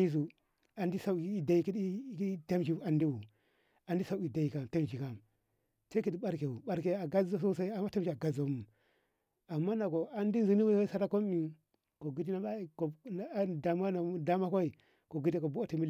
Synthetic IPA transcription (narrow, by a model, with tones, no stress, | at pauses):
i˦s̬u˨ | a˨ndi˦sa˦˨i˦da˨i˦˨ki˦dki˦te˦mʃi˦a˨ndi˦wu˨ | a˨ndi˦sa˦u˦i˨da˨ji˨ka˨m˨te˦md͡ʒi˨ka˨m | sa˦ki˦di˦ɓa˦ɾke˨wu˨ɓa˦ɾke˨a˨ɡa˦za˦so˦sa˦i˦a˨mːa˦te˦m˦ʃi˨a˨ɡa˦zo˨˦mu˨ | a˨mːa˦na˨ɡo˨a˦ndi˦n˨zi˨ni˦ko˦ka˦sa˦ɾa˦ko˦m˦i˨ | ko˨ɡi˦t̬i˦na˦a˦˨ko˨˦da˨ma˦na˨˦da˦ma˦kʷo˦i˨ | ko˨ɡi˦ti˦ko˨bu˦a˦ti˨mi˦˨